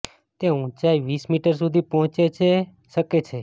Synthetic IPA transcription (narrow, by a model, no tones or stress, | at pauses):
t̪eũt͡ʃaiʋismiʈəɾs̬ud̪ʱipɔɦɔ̃t͡ʃet͡ʃʰe | ʃəket͡ʃʰe